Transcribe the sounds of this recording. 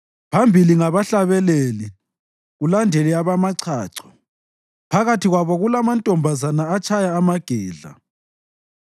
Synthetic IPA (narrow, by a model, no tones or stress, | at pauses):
pʰambʱiliŋaβaɬaβɛleli | ɣulandʱeliaβamaǀʰaːǀʰɔ̥ | pʰaɣatʰiɣwaβɔɣulamantʼɔmbʱazanaːt͡ʃʰajaːmaɡ̥ʱɛːɮa̰